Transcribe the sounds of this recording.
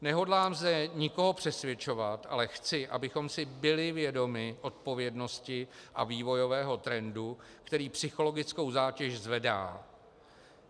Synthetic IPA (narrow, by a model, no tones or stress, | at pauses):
nɛɦo̞dlaːmzdɛɲɪko̞ɦo̞pr̥ɛsvjɛt͡ʃo̞vat̪ʔa̰lɛxt͡sɪʔa̰bɪxo̞msɪbɪlɪvjɛdo̞mɪʔo̞t̪̚po̞vjɛdno̞scɪʔaviːvo̞jo̞vɛːɦo̞t̪ɾɛndu | kt̪ɛɾiːpsɪxo̞lo̞ɡɪt͡sko̞wzaːcɛʃzvɛda̰ː